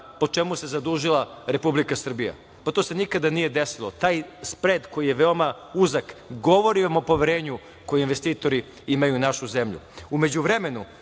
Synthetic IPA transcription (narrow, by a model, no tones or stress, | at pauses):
po̞t͡ʃe̞muse̞zad̪uʒilaɾe̞publikasr̩bija̰ | pat̪oːse̞nikad̪anijed̪e̞silo̞t̪aːjspɾe̞ːd̪ko̞jije̞ʋeoma | uzakɡo̞ʋo̞ɾiʋamo̞po̞ʋeɾe̞ːɲu | ko̞jeinʋe̞st̪iːt̪o̞ɾi | imajunaʃuze̞mʎṵume̞d͡ʑuʋɾe̞me̞nu